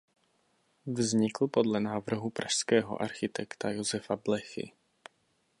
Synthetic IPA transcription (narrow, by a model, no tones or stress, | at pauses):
vzɲɪkl̩podlɛnaːvr̩ɦupɾʔaʃskɛːɦo̰ʔaɾxɪt̪ʰɛkt̪ajozɛfablɛxɪ̰